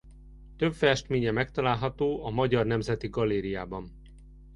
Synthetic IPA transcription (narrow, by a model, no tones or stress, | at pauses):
t̪øbfɛʃt̪meːɲɛmɛkt̪ɒlaːlɦɒt̪oːɒmɒɟɒrnɛmzɛt̪iɡɒlːeːɾijaːbɒn